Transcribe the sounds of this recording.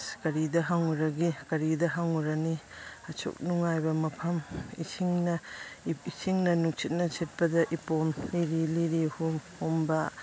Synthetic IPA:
skɐɾidɐɦaŋuɾɐɡikɐɾidɐɦaŋuɾɐniɐt͡ʃʰṵk̚nuŋajbɐmɐpʰɐmḭsʰiŋnɐ | isʰiŋnɐnuk̚t͡ʃʰit̚nɐsʰit̚pɐdɐʔipomliɾiliɾihumhumbɐ

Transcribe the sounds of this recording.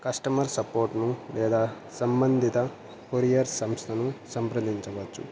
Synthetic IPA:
kɐsʈɐmɐɾsɐpoːɾʈnulɛːd̪aː | sɐmbɐnd̪ʱit̪ɐ | poɾijɐɾsɐmst̪ʰɐnusɐmpɾɐd̪iɲt͡ʃɐʋɐt͡ʃːṵ

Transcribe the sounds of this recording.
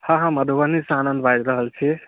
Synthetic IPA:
hãɦãməd̪ʱuənisanənd̪bad͡ʒɾəɦəlt͡ʃʰi

